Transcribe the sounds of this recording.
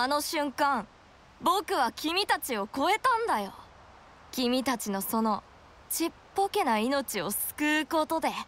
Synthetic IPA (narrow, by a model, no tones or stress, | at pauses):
ano̞ɕɨ̃ŋkãŋ | bo̞kɯ̟βakʲimʲit̪at͡ɕio̞ko̞e̞t̪ãnd̪ajo̞ | kʲimʲit̪at͡ɕino̞so̞no̞ | t͡ɕipːo̞ke̞naino̞t͡ɕio̞sɨ̥kɯːko̞t̪o̞d̪e̞